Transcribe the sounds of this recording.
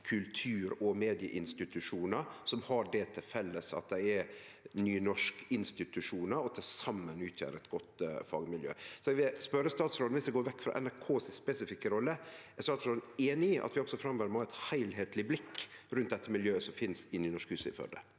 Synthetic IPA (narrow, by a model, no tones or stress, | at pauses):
kʰʉlt̪ʰʉːɾɔmeːd̪ɪə̰ʔɪnst̪ɪt̪ʉʂuːnəɾsɔmhɑɖɛt̪ʰɪlfɛlːəsɑ̰t̪̚d̪ɛɪɛ | nyːnɔʂkɪnst̪ɪt̪ʉʂuːnəɾɔt̪ʰɪlsɑmːənʉːt̪ʰjø̰ːɾɛt̪ɡɔt̪fɑ̰ːɡmɪljø̰ːsɔɛʋɪspœɾəst̪ɑːt̪sɾoːd̪nʋɪsd̪ɛɡoːɾʋɛkːfɾɑ̰ʔɛ̰næɾkʰoːsspɛsɪfɪkːəɾɔlːəɛɾst̪ɑːt̪sɾoːln̩eːnɪʔɑ̰t̪ʋɪɔksɔfɾɑmʋæɾmɔːæɪt̪hæɪlɦeːt̪ʰlɪblɪkːɾʉnt̪̚d̪ɛt̪ːəmɪljøːsɔmfɪnsɪnːɪnɔʂkhʉːsɪ̰fœ̰d̪ə̰